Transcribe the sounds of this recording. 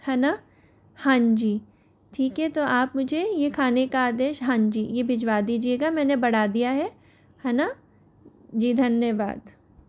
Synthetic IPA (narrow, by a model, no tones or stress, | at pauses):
hɐna | hãːɲd͡ʒiː | ʈʰiːkɦɛt̪oʔaːpmʊd͡ʒʱejekʰaːnekaaːd̪eːʃɦãːɲd͡ʒḭːjebʱɪd͡ʒʋad̪iːd͡ʒieːɡamɛ̃ːnebɐɽ̤aːd̪ijaɦɛ | hɐna | d͡ʒiːd̪ʱɐnjəʋa̰ːd̪